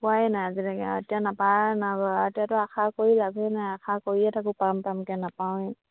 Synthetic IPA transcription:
puajnajazilakɛa̰tijanapanabɔatijatɔakʰakoɹilabʱɛnajakʰakoɹiɛtʰakupampamkɛnapawɛ

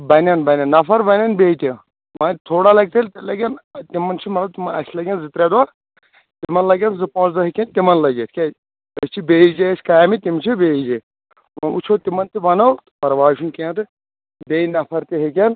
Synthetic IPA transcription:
bɐnʲɐnbɐnʲɐnːɐfɐɾbɐnʲɐnbeːjt̪ʲi | mɐ̃t̪ʰoːɽalɐɡ̚t̪elt̪ilɐɡʲɐnt̪imːɐnt͡ʃʰimɐt̪lɐb̚t̪imɐɐ̰sʲlɐɡʲɐ̃nzit̪ɾed̪a | t̪imɐnlɐɡʲɐnzɨpõːsd̪ɐɦikʲɐ̃nt̪imɐnlɐɡʲet̪ʰʲkʲe | əst͡ʃʰibeːid͡ʒesʲkɐjamit̪imt͡ʃʰibeːid͡ʒe | mɐṵt͡ʃʰoːt̪imɐnt̪ibɐnɐw̪pɐɾʋaːʃunkẽt̪ɨ | beːinɐfʰɐɾt̪iɦek̬ʲɐn

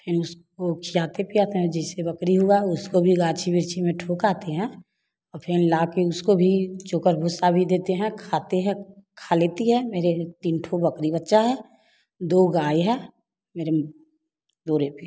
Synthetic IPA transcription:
pʰɪɾʊskokʰijaːt̪epijaːt̪eɦɛd͡ʒɛːsebəkɾiɦʊaʊskobʱiɡaːt͡ʃʰibɪɾt͡ʃʰimẽʈʰokaːt̪eɦɛ̃ː | ɔːɾpʰɪnlaːkeʊskobʱit͡ʃʊkəɾbʱʊsabʱid̪eːt̪eɦɛ̃kʰaːt̪eɦɛ̃kʰaːleːt̪iɦɛ̃meːɾet̪iːnʈʰobəkɾibətːʃaɦɛː | d̪oːɡaːjɦɛ̃ː | meːɾe | d̪oːɾepi

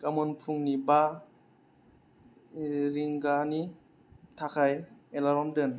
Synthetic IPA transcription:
kamɔnpʰuŋniba | ɾiŋɡani | tʰakʰajelaɾɔmdɯn

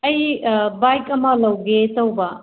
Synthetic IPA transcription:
ɐjbajkɐmɐlɐwɡetɐwbɐ

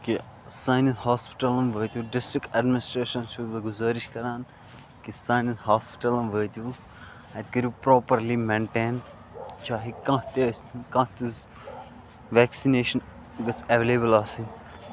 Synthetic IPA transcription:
ki | saːjnɐnt̪haːspi̥ʈɐlɐmʋəːt̪juːɖɪsʈɾɪkɐɖmɪnɪsʈɾeːʃɐnsuʋɐɡʊzaːɾiʃkɐɾãːn | kisaːjnɐnt̪ɦaːspi̥ʈɐlɐmʋəːt̪juː | ɛ̃t̪kɐɾjupɾoːpəɾlimẽɳʈẽːn | t͡ʃaːɦikãːt̪iɐst̪ʰnkãːt̪iz | ʋɛːksineːʃɐn | ɡɐt͡sɐʋeleːbəlaːsĩn

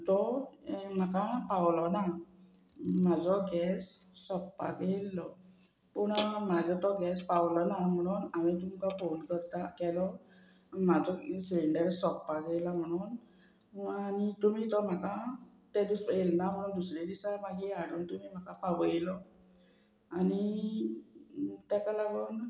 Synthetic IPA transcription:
tɔ | makapawlɔna | mazɔɡɛsː | ɔppa̰ɡejlːɔ | punamazɔtɔɡɛspawlɔnamɔnɔnamitumkapʰonkɔɾt̪akɛlɔ | mazɔsleɳɖɛɾsɔkpaɡejlamɔnɔn | anit̪umitɔmaka | tedusɔelnamɔnɔndusɾedisamaɡiaɾɔntumimakapabɔelɔ | ani | t̪ɛkalaɡɔn

